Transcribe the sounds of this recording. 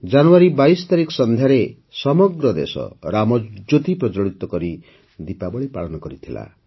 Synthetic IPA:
d͡ʒanuaɾibajsɔ̥t̪aɾikɔ̥sɔnd̪ʱjaɾe | sɔmɔɡɾɔd̪ḛsɔ̰ɾamɔd͡ʒot̪ipɾɔd͡ʒɔɭit̪ɔkɔɾi | d̪ipabɔɭipa̰ɭɔnɔkɔɾit̪ʰila̰

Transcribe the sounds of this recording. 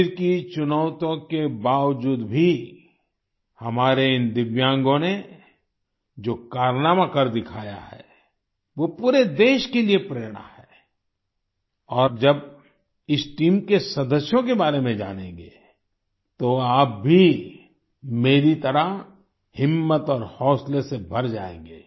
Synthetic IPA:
ɾkit͡ʃʊnəːʊt̪õkebaːʋd͡ʒuːd̪bʱi | hɐmaːɾeɪnd̪ɪʋjãːŋɡõne | d͡ʒoːkaːɾnaːmãkəɾd̪ɪkʰaːja̰ɦɛ̰ː | ʋopuːɾed̪eːʃkeliepɾeːɾɽ̃a̰ɦɛː | ɔːɾd͡ʒɐb | ɪsʈiːmkesɐd̪əsjõkebaːɾemẽd͡ʒa̰ːnḛ̃ːɡeː | t̪oaːp̚bʱi | meːɾit̪əɾə | hɪmːət̪ɔːɾhɔːslesebʱɐɾd͡ʒaːḛ̃ːŋɡeː

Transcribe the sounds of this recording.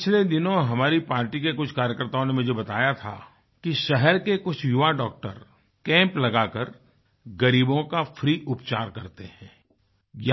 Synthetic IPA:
t͡ʃʰled̪ɪnõɦɐmaːɾipaːɾʈikekʊt͡ʃʰkaːɾjəkəɾt̪aõnemʊd͡ʒʱebɐt̪aːjat̪ʰa̰ | kiʃɛɦɛɾkekʊt͡ʃʰjʊʋaɖɔːk̚ʈə̰ɾ | kɛ̃ːmplɐɡakɐɾ | ɡɐɾiːbõkafɾiːʔʊpt͡ʃa̰ːɾkɐɾt̪eɦɛ̃ː | j

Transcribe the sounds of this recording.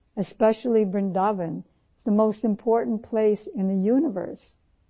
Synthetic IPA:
ɨspɛʃl̩ˠibɹɨ̃ndɑvɨ̃n | z̥ðəmoʊstɨ̃mpʰɔɹʔn̩pʰl̥eɪsɨ̃nðɨjʉnəvə̰˞s

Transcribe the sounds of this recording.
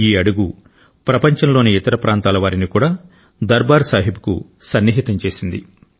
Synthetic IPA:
iːɐɽuɡu | pɾɐpɐɲt͡ʃɐnlo̞ːniit̪ɐɾɐpɾʔaːnt̪aːlɐʋaːɾinikuːɽaː | d̪ɐɾbaːɾsaːɦibu̥kṵsɐnːiɦit̪ɐmt͡ʃe̞ːsind̪i

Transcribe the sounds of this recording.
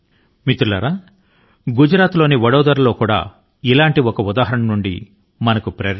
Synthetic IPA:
mit̪ulɐɾaː | ɡud͡ʒɾaːt̪lo̞ːniʋɐɽɐːd̪ɐɾɐlo̞ːkuːɽa̰ː | ilaːɳʈiɔkɐud̪aːɦɐɾɐɳɐmnuɳɖḭ | mɐnɐkupɾɐ

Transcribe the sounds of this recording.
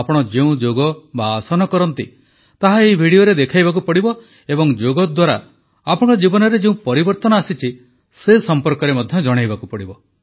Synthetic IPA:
apɔɽ̃ɔd͡ʒeũd͡ʒoɡɔbaːsɔnɔkɔɾɔnt̪i | t̪aɦaeibʱiɽioɾed̪ekʰajbak̬upɔɽibɔ | ebɔŋd͡ʒoɡɔd̪waɾa̰ | apɔɽ̃ɔd͡ʒibɔnɔɾed͡ʒeũpɔɾibɔɾt̪ɔnɔasit͡ʃʰi | sesɔmpɔɾkɔɾemɔd̪ʱjɔd͡ʒɔɽ̃ajbakupɔɽibɔ

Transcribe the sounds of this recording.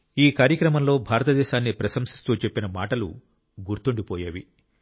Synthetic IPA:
iːkaːɾjɐkɾɐmɐmlo̞ːbʱaːɾɐt̪ɐd̪ɛːʃaːnːipɾɐʃɐmsi̥st̪uːt͡ʃe̞pːinɐmaːʈɐlu | ɡuɾt̪uɳɖipɔːjaːʋi

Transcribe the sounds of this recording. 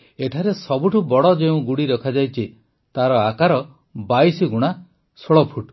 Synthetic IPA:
eʈʰaɾesɔbuʈʰubɔɽɔd͡ʒeũɡuɽiɾɔkʰad͡ʒajt͡ʃʰi | t̪aɾɔakaɾɔ | bajsiɡuɽ̃a | soɭɔpʰuʈ

